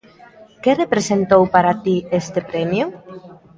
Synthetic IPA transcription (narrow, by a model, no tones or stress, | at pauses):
kerepɾesent̪owpaɾat̪iest̪epɾɛmjʊ